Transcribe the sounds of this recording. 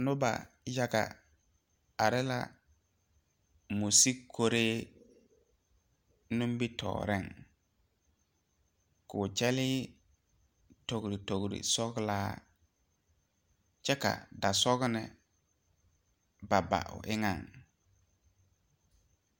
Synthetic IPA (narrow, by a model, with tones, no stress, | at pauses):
nʊ˦ba̰˨ | ja˦ɡa̰˨ | a˨ɾɪ˦la̰˦˨ | mu˨si˦kʰo˦ɾeː˦ | nũ˦m˦bi˦tʰɔ̰ː˨ɾɪ˦˨ŋ | kʊ˨t͡ʃɛ˦lɪː˦ | to˨ɡɾi˨to˨ɡɾḭ˨sɔ˦ɡlaː˦ | t͡ʃɛ˦ka̰˨da˨sɔ˦ɡnɪ˨ | ba˨ba̰˨ʔʊ̰˨ʔɪ˦ŋa˦˨ŋ